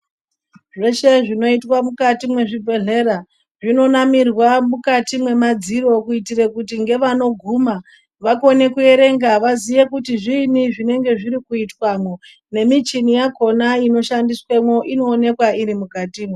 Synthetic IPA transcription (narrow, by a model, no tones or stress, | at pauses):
ʐe̞ʃe̞ʐino̞itwamukatimwe̞ʐibʱe̞ɮe̞ɾa | ʐino̞namirwamukatimwe̞mad͡ziɾo̞kuitirekutiŋɡe̞ʋano̞ɡʱuma | ʋakone̞kue̞ɾe̞ŋɡaʋazije̞kutiʐiniʐine̞ŋɡe̞ʐiɾikuitwamwo | ne̞mit͡ʃinijakʰo̞naino̞ʃandiswemwo̞ʔino̞ːne̞kwaiɾimukatiːmwe